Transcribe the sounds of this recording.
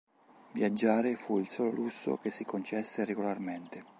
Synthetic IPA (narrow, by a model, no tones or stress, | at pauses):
vjad͡ʒːaːɾefuilsɔːlo̰lusːo̰k̟esːikont͡ʃɛsːeɾeɡolarment̪e